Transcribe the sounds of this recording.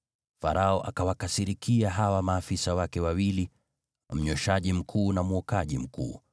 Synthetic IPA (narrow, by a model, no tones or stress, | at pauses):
faɾʔaɔʔakawakasiɾikʰiaɦawamaːfisawakɛwawili | m̩ɲɔʃaʄim̩kʰuːnamuɔkaʄim̩kʰṵː